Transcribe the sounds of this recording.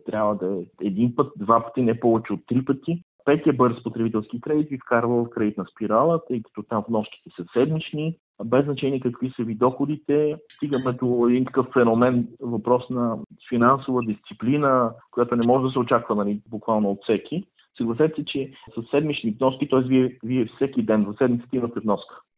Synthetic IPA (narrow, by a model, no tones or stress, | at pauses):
t̪ɾʲʔavvəd̪ɐɛɛɛd̪inpɤt̪̚d̪vapə̥t̪inɛpɔvɛt͡ʃɛot̪ːɾipət̪i | pɛt̪iɛbɤɾspot̪ɾɛbit̪ɛlˠskikɾɛd̪it̪vifkaɾvəfkɾɛd̪it̪nɐspiɾalˠət̪ɤjkə̥t̪ɔt̪ãmvnɔʃki̥t̪ɛsəsɛd̪mit͡ʃni | bɛznɐt͡ʃɛniɛkɐkvisəvid̪ɔxod̪it̪ɛst̪iɡəmɛd̪oɛd̪int̪ɐ̥kɤfːɛnomɛnvɐpɾɔsnɐfinansovəd̪ist̪siplinəkojat̪onɛmɔʒɛd̪ɐsɛot͡ʃakvənɐlibʊkvalˠnoːt̪fsɛkʲʰi | səɡlˠɐsɛt̪ɛ̥sɛt͡ʃɛsəsɛd̪mit͡ʃnivnɔskit̪ɔɛsviɛviɛfsɛkid̪ɛnzɐsɛd̪mit̪sə̥t̪ɛimət̪ɛvnɔskə̥